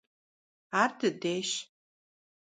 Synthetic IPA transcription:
ardɨdejʃ

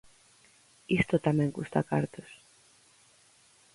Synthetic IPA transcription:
ist̪ot̪amẽŋɡust̪a̰kaɾt̪os

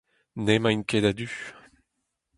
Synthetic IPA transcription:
nemãinkedad̪y

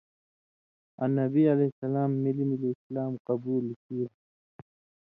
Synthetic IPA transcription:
ɐ̰nɐbiɐlesɐlaːmːilimiliːslaːmqɐbuːlkiː

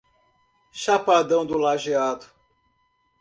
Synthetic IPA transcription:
ʃapad̪ɐ̃w̃d̪ʊlaʒiad̪ʊ̥

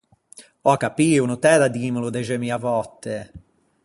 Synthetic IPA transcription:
ɔkapiːunut̪ɛːd̪ad̪iːmlud̪ɛʒɛmiːavɔt̪ːe

